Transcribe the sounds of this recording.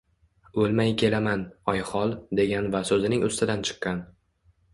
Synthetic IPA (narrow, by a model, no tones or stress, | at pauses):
ɵlmajkʲʰe̞lamanɒjχɒlˠd̪e̞ɡʲanvasɵzɪnɪŋʊst̪ʰɪd̪ant͡ʃʰɨ̥qːɑn